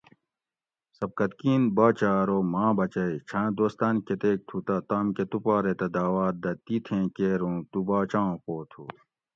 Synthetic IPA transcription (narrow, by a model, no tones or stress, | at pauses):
sɐb̚kɐt̪kiːnbaːt͡ɕaːɾomãːbɐt͡ɕɐit͡ɕʰãːd̪oːst̪aːnket̪eːk̚t̪ʰut̪at̪aːmket̪upaːɾet̪ɐd̪aːwaːt̪̚d̪ɐt̪it̪ʰẽːkeːɾõːt̪ubaːt͡ɕãːpoːt̪ʰṵ